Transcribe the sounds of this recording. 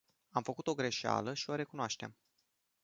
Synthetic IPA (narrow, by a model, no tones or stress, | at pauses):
amfəkut̪o̞ɡɾe̞ʃa̰ləʃio̞ɾe̞kunoaʃt̪e̞̰m